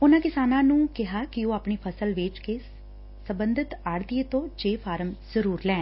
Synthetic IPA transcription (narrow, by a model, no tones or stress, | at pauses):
ʊnãːkɪsaːnãːnũːkɪɦaːkioːaːpɳiːpʰəsəlʋeːt͡ʃkeː | səmbənd̪ɪt̪aɽd̪iet̪õːt͡ʃeːfʰaːɾəmz̥əɾuːɾlɛ̃ː